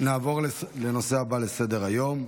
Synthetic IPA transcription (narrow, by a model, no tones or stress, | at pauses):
naːvo̞ʁle̞no̞seabale̞se̞d̪e̞ʁajo̞m